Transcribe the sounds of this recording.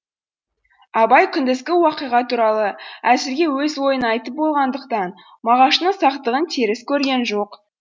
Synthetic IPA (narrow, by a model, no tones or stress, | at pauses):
ɑbɑjkʲʰʏnd̪ɪskʲɪwɑqijʁɑt̪ʰuɾɑlˠəæsɪɾɡʲe̞wɵzwojənɑjt̪əp̚bo̞lˠʁɑnd̪əqt̪ɑn | mɑʁɑʃənəsɑqt̪əʁənt̪ʰiɾɪskʲʰɵɾɡʲe̞nʒo̞q